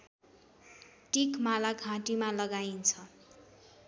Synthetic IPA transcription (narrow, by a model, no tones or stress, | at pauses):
ʈikmalaɡʱãʈimalʌɡaint͡sʰʌ